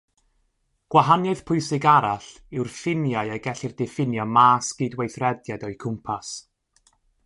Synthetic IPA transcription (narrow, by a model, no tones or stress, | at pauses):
ɡ̥waɦanjɔɨð̥pʰʊɨsɪɡaɾaɬ | ɪwrfɪnjaɨjaɡɛɬɪrdɪfɪnjɔmaːsɡ̥iːdwejθrɛdjadɔɨkʰʊmpʰas